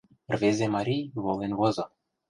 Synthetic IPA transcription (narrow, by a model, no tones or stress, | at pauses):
rvezʲemɑɾʲijβolˠenβozɤ̆